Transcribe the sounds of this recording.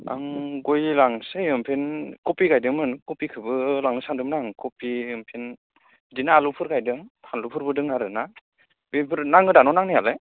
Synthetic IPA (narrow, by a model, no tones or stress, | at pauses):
a̰ŋɡojlaŋsajɯmpʰenkɔpiɡajdɯŋmɯnkɔpikʰɯbɯlaŋɯsandɯmnaŋkɔpiɯmpʰen | dinaːlupʰɯɾkajdɯŋtʰanlupʰɯɾbɯdɯŋnaɾɯna | bipʰɯɾnaŋɯdanɔnaŋnijalɯ